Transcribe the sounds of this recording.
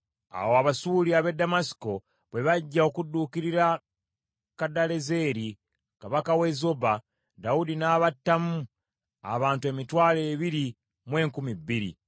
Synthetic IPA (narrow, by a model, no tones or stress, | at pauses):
a̰woaβasuliaβe̞damasi̥ko̞ | βwe̞βaɟːaokudːuːkiɾiɾa | kadale̞ze̞ːɾi | kaβakawe̞zoba | daudinaːβatːamu | a̰βaːntue̞ːmitwaːle̞ːβiɾi | mwe̞ːŋkumibːiɾḭ